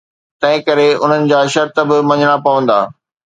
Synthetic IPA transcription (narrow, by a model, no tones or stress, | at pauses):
t̪ɐ̃ɦɪ̃kɐɾeʊ̰n̤ənɪ̆d͡ʑaːʃɐɾt̪əbɪmɐ̃ɲəɽ̃apɐʋə̃nd̪aː